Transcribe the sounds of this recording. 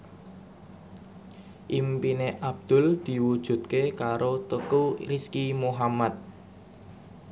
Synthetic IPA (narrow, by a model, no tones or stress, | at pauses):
ʔimpineʔab̚d̪̥ʊ̤ld̪̥i̤wud̥ʒ̥ṳt̪̚kekaɾot̪əkuriskimoɦamat̪̚